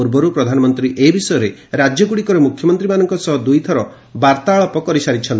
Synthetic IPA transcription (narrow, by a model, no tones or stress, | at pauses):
uɾbɔɾupɾɔd̪ʱanɔmɔnt̪ɾiʔebisɔjɔɾeɾad͡ʒjɔɡuɽikɔɾɔmukʰjɔmɔnt̪ɾimanɔŋkɔsɔɦɔd̪ujt̪ʰɔɾɔ | baɾt̪aːɭɔpɔkɔɾisaɾit͡ʃʰɔnt̪